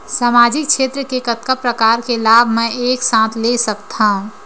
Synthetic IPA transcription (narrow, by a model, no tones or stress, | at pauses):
saːmaːd͡ʒɪk̚t͡ʃʃʰeːt̪ɾəkekət̪kəpɾəkaːɾkelaːbʱmɛ̃eːksãːt̪ʰlesəkt̪aɦũ